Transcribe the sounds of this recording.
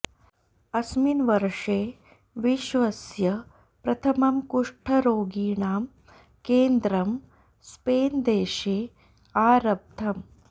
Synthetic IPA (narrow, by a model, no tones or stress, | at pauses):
ɐsminʋɐɾʂeː | ʋiʃʋɐsjɐ | pɾɐt̪ʰɐmɐmkuʂʈʰɐɾoːɡiːɳaːm | keːnd̪ɾɐm | speːnd̪eːʃeː | aːɾɐb̚d̪ʰʱɐm